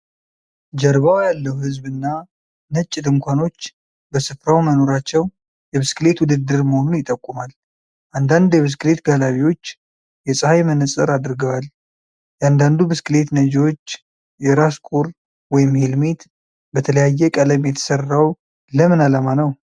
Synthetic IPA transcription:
d͡ʒɛɾβawjalːəhuhɨzbɨnːa | nət͡ʃʼːd̪ɨŋkʷʰano̞t͡ʃː | bəsɨfɾawməno̞ɾat͡ʃːɛw | jɛbɨskɨle̞t̪wʊd̪ɨd̪ːɨɾməhonunjɪt̪ʼːəkʼːumal | ʔand̪and̪jɛβɨs̬kɨle̞t̪ɡalaβiwo̞t͡ʃː | jɛsʼɨhajmənɨsʼɨɾad̪ɾɡəwal | jɛand̪and̪ubɨskɨle̞t̪nəd͡ʒwot͡ʃː | jɛɾaskʰʼuɾ | wɔjɪmhelmet̪ | bət̪ʰələjajːɛkʼələmjɛt̪ʰə̥sərːaw | ləmɨnalamanəw

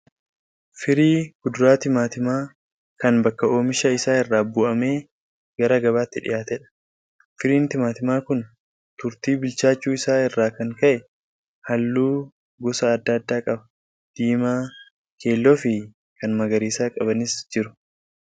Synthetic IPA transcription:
fɪɾiːɡ̥ʊd̪ʊɾaːt̪ɪmaːt̪ɪmaː | kɐnbɐkːɐo̞ːmɪʃɐɪsaːɪrːaːbʊʔɐmeː | ɡ̥ɐɾɐɡɐβaːt̪ːɪᶑɪ̰jaːt̪ɛᶑɐ̥ | fɪɾiːnt̪ɪmaːt̪ɪmaːkʊn | t̪ʊɾt̪iːbɪlt͡ʃaːt͡ʃːuːɪsaːɪrːaːkɐŋkɐʔɛ | hɐlːuː | ɡɔsɐːd̪ːɐːd̪ːaːkʼɐbɐ̥ | d̪̥iːmaː | kʰe̞ːlːɔfɪ | kɐnmɐɡɐɾiːsaːkʼɐbɐnɪsd͡ʒɪɾʊ̥

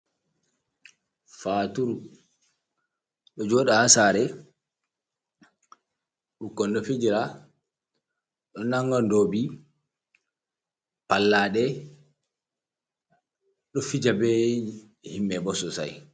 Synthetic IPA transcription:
faːtuɾu | ɗɔd͡ʒɔɗahasaɾɛ | ɗukɔndɔfid͡ʒiɾa | ɗɔnaŋɡɔndobi | palːaɗɛ | ɗɔfid͡ʒabɛ | himːɛbɔsɔsa̰j

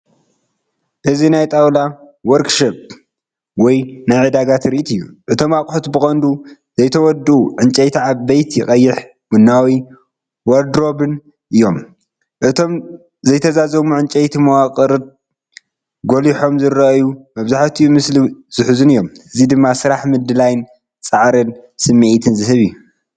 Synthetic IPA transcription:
ʔɨzinajt̪ʼawla | wɔɾkʃop̚ | wɔjnajʕɨd̪aɡat̪ɾit̪ʰɨjːuʔɨt̪ʰo̞makʼħut̪bɨxʼɐnd̪uzɐjt̪ʰɐwɔd̪uuʕɨnt͡ʃʼejt̪ʰiʕaβːejt̪jɪχʼɐjːɪħ | wʊnːawi | wɐɾd̪ɾo̞bɨn | ʔɨjːo̞m | ʔɨt̪ʰo̞m | zɐjt̪ʰɐzazɐmuʕɨnt͡ʃʼejt̪ʰimɐwaqʼɨɾɨ | ɡoliħo̞mzɨɾɐʔjumɐβzaħt̪ʰiumɨsliz̥ɨħzunɨjːomɨzid̪ɨmːasɨɾaħmɨd̪ɨlajn | t͡sʼaʕɾɨnsɨmːiʔit̪ʰɨnzɨɦɨβiju

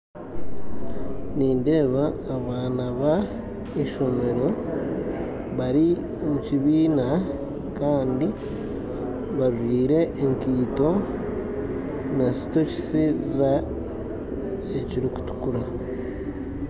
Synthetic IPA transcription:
niːnde̞ːβaːβaːnaβa | eʃo̞me̞ɾo̞ | βaɾi | omuciβiːna | kaːndi | βaʒiːɾe̞ʔːŋkiːto̞ | nasi̥to̞ci̥siza | eciɾiku̥tu̥kuɾa

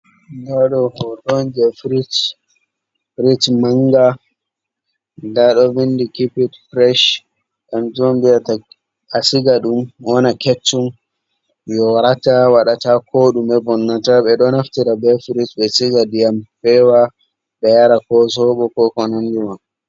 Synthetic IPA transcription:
daɗɔhɔtɔnd͡ʒɛfɾit | fɾitmaŋɡa | daɗɔbindikipitpɾɛʃ | kamd͡ʒombijata | asiɡaɗumwɔnakɛt͡ʃːun | jɔɾatawaɗatakʰoɗumɛbɔnːataɓɛɗɔnaftiɾabɛfɾitɓɛsiɡadijamfɛwa | ɓɛjaɾakɔs̬ɔɓɔkɔkɔnand͡ʒuman

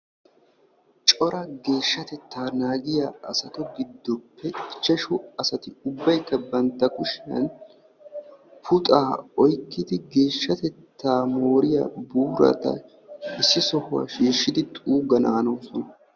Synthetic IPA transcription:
t͡ʃʼɔɾɐɡe̞ːʃːɐt̪ɛt̪ʰːaːnaːɡɪjaːɐsɐt̪ɔɡɪd̪ːɔpːɛt͡ʃːɛʃʊɐsɐt̪ɪʊbːɐjkːɐbɐnt̪ːɐkʊʃɐ̰n | pʰʊt̪ʼaːɔjkːɪd̪ɪɡe̞ːʃːɐt̪ɛt̪ːaːmo̞ːɾɪja̰buːɾɐ̰t̪ɐ̰ | ɪsːɪsɔhʊwa̰ʃiːʃːɪd̪ɪt̪ʼuːɡɐnaːnoːsɔnɐ

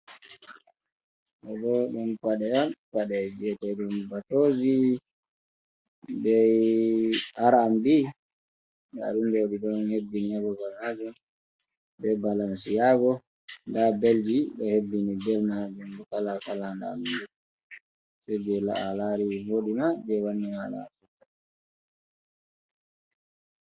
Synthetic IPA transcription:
ɛbɔɗumpaɗɛanpaɗɛd͡ʒɛtɛɗumbatoːzi | bɛ | aɾambi | ɗɛa̰ɗunɡoɗiɗɔnhebːiniabɔbanad͡ʒɔ | bɛbalansijaɡɔ | ndabeld͡ʒiɗɔhebːinibɛlmad͡ʒumdɔkalakalandaːɗund͡ʒu | sɛd͡ʒɛla̰ʔalaɾiwoɗimad͡ʒɛwanːihala̰sukːa

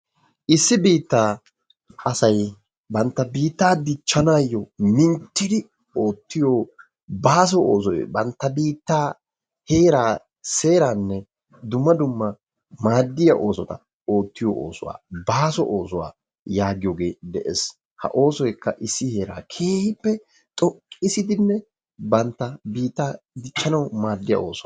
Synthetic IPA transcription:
ʔɪsːɪbiːt̪ːaː | ʔɐsɐj | bɐnt̪ːɐbiːt̪ːaːd̪ɪt͡ʃːɐnaːjːɔmɪnt̪ːɪd̪ɪ | o̞ːt̪ːɪjoː | baːs̬ɔo̰ːs̬ɔjbɐnt̪ːɐbiːt̪ːaː | he̞ːɾaː | se̞ːɾaːnːɛ | d̪ʊmːɐd̪ʊmːɐ | maːd̪ːɪjɐʔo̞ːsɔt̪ɐ | o̞ːt̪ːɪjɔ̰ʔo̰ːsɔwa̰ːbaːsɔ̰ʔo̞ːsɔwa̰ː | jaːɡɪjoɡe̞ːd̪ɛʔḛs | hɐ̰ʔo̞ːsɔjkːɐʔɪsːɪhe̞ːɾa̰ːkʰeːhɪpːɛ | t̪ʼɔkʼːɪsɪd̪ɪnːɛ | bɐnt̪ːɐbiːt̪ːaː | d̪ɪt͡ʃːɐnɐwmaːd̪ːɪjɐ̰ʔo̞̰ːsɔ

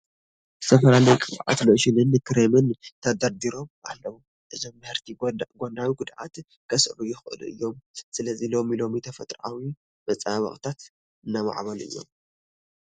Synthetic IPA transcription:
st̪ʰɐfɐlalɐjkʼɨβʕa̰t̪noʃɪnɨnːɨkʰɨɾemɨnt̪ʰɐd̪ɐɾd̪iɾo̞mʔa̰lːɐβu | ʔɨzomːɨhɨɾt̪ʰiɡonawiɡʊd̪ʕa̰t̪ | kʰɐsɾujɪxɨʔɨ̰lʔɨ̰jːo̞msɨlɐzilo̞milo̞mit̪ʰɐfɐt̪ʼɾʕawi | mɐt͡sʼaβɐ̰xʼt̪ʰat̪ | ɨnːama̰ʕβɐlɨ̰jːo̞̰m

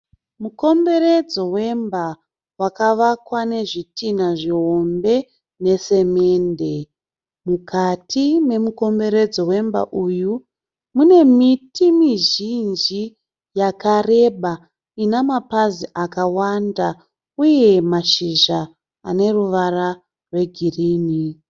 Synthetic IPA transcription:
muko̞mbe̞ɾed͡zo̞we̞mba | wakaʋakwane̞ʐitinaʐiɦo̞mbe̞ | ne̞se̞me̞ːnde̞ | mukʰatʰine̞muko̞mbe̞ɾe̞d͡zo̞we̞mba̰ʔuːju | mune̞mitimiʒind͡ʒi | jakare̞ɓa | inamapaziʔakawanda | uje̞maʃiʒa | a̰ne̞ruʋara | rwe̞ɡʱiriːni

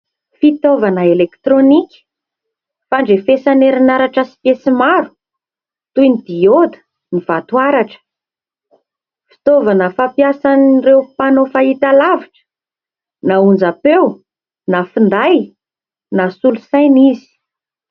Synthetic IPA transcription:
fit̪ovanəelekt̪ɾonikʲə̥ | faɳɖ͡ʐefesaneɾinaɾaʈ͡ʂasi̥pesimaɾu̥ | t̪ujnid̪iod̪ə̥ | niv̥at̪uaɾaʈ͡ʂə̥ | fi̥t̪ovanəfapjasanrewpanofait̪alaviʈ͡ʂə̥ | naund͡zapew | nafind̪aj | nasulusajnizi̥

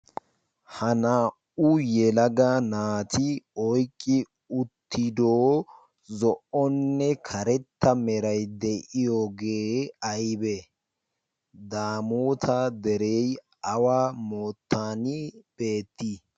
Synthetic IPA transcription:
hɐnaːʔʊjɛlɐɡɐnaːt̪ɪɔjkʼːɪ | ʊt̪ːɪd̪oː | zɔʔɔnːɛkʰɐɾɛt̪ːɐmɛɾɐjd̪ɛʔɪjoːɡeːɐjbɛ | d̪aːmuːt̪ʰɐd̪ɛɾɛj | ʔɐwaːmoːt̪ːaːnɪb̥eːt̪ːi

